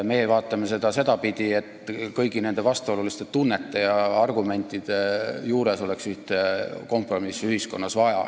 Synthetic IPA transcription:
me̞ːejvɑːt̪ːˑɑmese̞d̪̥ɑse̞d̪̥ɑpid̪̥ie̞t̪ːkɤjɡ̥ine̞nd̪̥e̞vɑst̪o̞lulist̪e̞t̪unːe̞t̪ːˑe̞jɑɑrɡume̞nʲt̪ˑid̪̥e̞juːɾe̞so̞leksyht̪eko̞mpro̞misːyhisko̞nːɑsvɑjɑ̰

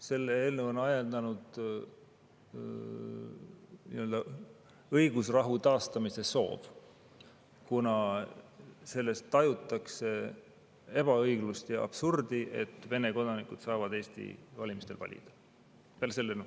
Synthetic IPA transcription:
se̞lːeeːlnuonɑjend̪̥ɑnud̪̥ | nḭøld̪ɑ | ɤjɡ̥usrɑɦut̪ɑːst̪ɑmise̞so̞̰ːv̥ | kunɑ | se̞lːe̞st̪ːɑjut̪ːˑɑkse̞ | e̞b̥ɑɤjɡlust̪jɑ̰b̥surd̪̥iʔe̞̰t̪ːˑve̞ne̞ko̞d̪ɑnikud̪̥sɑːvɑd̪e̞ːst̪ḭvɑlʲimist̪e̞lvɑ̰lʲḭd̪̥ɑ̥ | peælselːenu

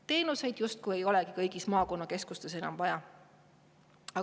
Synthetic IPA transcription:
t̪e̞ːnuse̞jd̪̥just̪̚kuje̞jo̞lɛɡ̥ikɤjɡ̥ismɑːko̞nːɑke̞skust̪e̞senɑ̰mvɑjɑ | ɑ

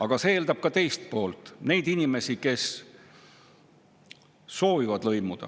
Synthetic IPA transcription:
ɑɡ̥ɑse̞eːld̪ɑb̥̚kɑt̪e̞jst̪̚po̞ːlt̪ˑne̞jd̪inime̞sike̞s | so̞ːvivɑd̪lɤ̞jmud̪̥ɑ̰

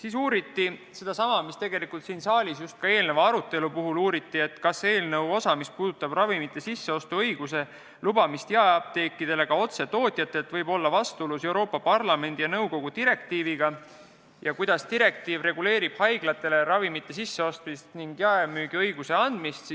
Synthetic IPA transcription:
siːs̬uːɾit̪ːise̞d̪ɑsɑmɑmist̪e̞ɡe̞likult̪siːnsɑːlʲisjust̪̚kɑe̞ːlnevɑɑɾut̪ːˑe̞lupuɦuluːɾit̪ːie̞t̪ːkɑsːe̞ːlnewo̞sɑmispuːd̪̥ut̪ːˑɑb̥rɑvimit̪ːˑe̞sisːe̞o̞st̪uɤjɡ̥use̞ | lub̥ɑmist̪jɑeɑb̚t̪e̞ːkːˑid̪̥e̞le̞ɡ̥ɑo̞t̪se̞t̪o̞ːt̪ʲˑjɑt̪ːˑet̪ːˑvɤjbo̞lːɑvɑst̪uulusewɾo̞ːpːˑɑpɑrlɑme̞nʲd̪̥ijɑnɤwko̞ɡ̥ut̪iɾe̞k̚t̪iːviɡ̥ɑ | jɑkujd̪̥ɑst̪iɾe̞k̚t̪iːvre̞ɡ̥ule̞ːɾib̥hɑjɡ̥lɑt̪ːˑe̞le̞ɾɑvimit̪ˑːe̞sisːe̞o̞st̪mist̪niŋɡ̥jɑemyːɡ̥iɤjɡ̥use̞ɑnd̪̥mist̪si

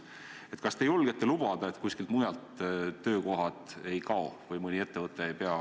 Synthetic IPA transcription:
e̞t̪kɑst̪e̞jolɡ̥et̪ːelub̥ɑd̪̥ɑe̞t̪kusʲkilt̪mujɑlt̪ːø̞ːko̞ɦɑt̪ˑe̞jkɑo̞vɤjmɯnʲie̞t̪ːe̞vɤt̪ːˑe̞ejpe̞ɑ

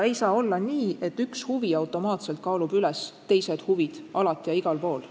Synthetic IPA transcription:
e̞jsɑːo̞lːɑniːʔe̞t̪ːˑykshuviɑwt̪ˑo̞mɑːt̪se̞lt̪̚kɑːlub̥ylɛst̪ːe̞jse̞d̪̥huvid̪̥ʔɑlɑt̪ːˑijɑiɡ̥ɑlpo̞ːl

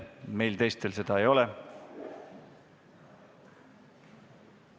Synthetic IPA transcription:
me̞jlt̪e̞jst̪e̞lse̞d̪̥ɑejo̞le

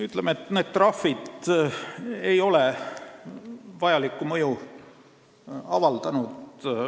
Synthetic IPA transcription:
yt̪ˑlemeet̪ːˑneːd̪̥t̪rɑfːid̪ | e̞jo̞lɛ | vɑjɑlikːˑumɤju | ɑ̰vɑld̪̥ɑnud̪

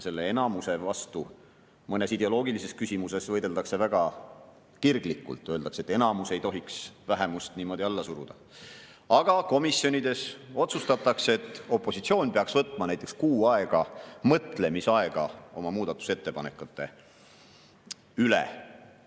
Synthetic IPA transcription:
se̞lːeenɑmuse̞vɑst̪u | mɤne̞sid̪̥e̞o̞lo̞ːɡ̥ilise̞skysʲimuse̞svɤjd̪̥e̞ld̪ɑkse̞væɡ̥ɑ | kirɡ̥likːˑṵlt̪ːˑøld̪ɑkse̞t̪ːˑe̞nɑmuse̞jt̪o̞ɦiksvæɦe̞must̪niːmo̞d̪iɑlːɑsuɾṵd̪̥ɑ | ɑɡ̥ɑko̞misːjo̞nʲid̪e̞so̞t̪sust̪ɑt̪ːˑɑkset̪ːˑo̞pːˑo̞sit̪sio̞ːnʲpeɑksvɤt̪ːˑmɑnæjt̪ːˑekskuːɑeɡ̥ɑmɤt̪ˑle̞misɑeɡ̥ɑ̰o̞mɑmuːd̪̥ɑt̪ːˑu̥se̞t̪ːe̞pɑnḛkːˑut̪ːˑe̞ | ylḛ

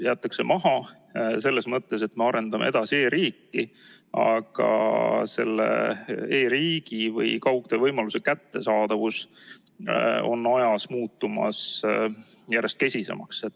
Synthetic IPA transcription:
jeæːt̪ːˑɑkse̞mɑɦɑ | se̞lːe̞smɤt̪ːe̞se̞t̪me̞ɑɾe̞nd̪ɑmḛe̞d̪̥ɑsie̞ːɾiːkːi | ɑ̰ɡ̥ɑ̰se̞lːḛeːɾiːɡ̥ivɤ̰jkɑwk̚d̪evɤjmɑluse̞kæt̪ːe̞sɑːd̪̥ɑvus | o̞̰nːojɑsmuːt̪ːumɑ̰s | jære̞st̪ke̞sʲise̞̰mɑkset̪ː

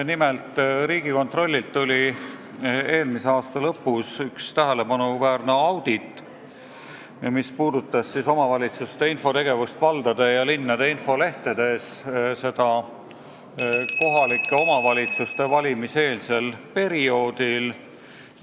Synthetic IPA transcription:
nimelt̪ˑɾiːɡ̥iko̞nt̪ro̞lʲːilt̪ːulʲi | e̞ːlmise̞ɑːst̪ɑlɤpːˑusykst̪æɦæle̞pɑnuvæːɾne̞ɑwd̪̥it̪ːˑ | mispuːd̪ut̪ːˑɑsːiso̞mɑvɑlʲit̪sust̪e̞info̞t̪e̞ɡ̥e̞vust̪vɑld̪ɑd̪̥ejɑlinːɑd̪̥e̞info̞le̞ht̪ed̪̥e̞sse̞d̪ɑ | ko̞ɦɑlikːˑe̞o̞mɑvɑlʲit̪sust̪e̞vɑlʲimise̞ːlse̞lpe̞ɾio̞ːd̪̥il

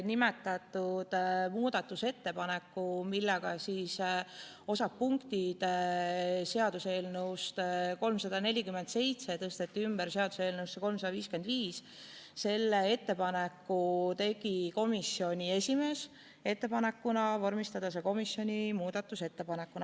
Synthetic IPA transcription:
nimet̪ːˑɑt̪ˑːud̪̥muːd̪ɑt̪ːuse̞t̪ːe̞pɑne̞kːumilːɛɡ̥ɑsis | o̞sɑp̚pːuŋkt̪id̪̥ | se̞ɑd̪̥use̞ːlnuwst̪ko̞lmsɑd̪̥ɑne̞lʲikymend̪se̞jt̪set̪ɤst̪e̞t̪ːiymb̥eɾse̞ɑd̪use̞ːlnuwsːeko̞lmsɑd̪ɑviːskend̪viːs | se̞lːee̞t̪ːe̞pɑnekːut̪e̞ɡ̥iko̞misːio̞nʲie̞sʲime̞s | e̞t̪ːe̞pɑne̞kːunɑvɑrmist̪ɑd̪̥ɑs̬eko̞misjo̞nʲimuːd̪̥ɑt̪ːˑuse̞t̪ːe̞pɑne̞kːunɑ

